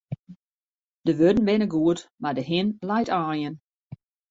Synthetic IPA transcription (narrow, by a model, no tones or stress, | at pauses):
d̥əʋødn̩ʋɪnəɡuətmadəɦɪnlajtʰaːjən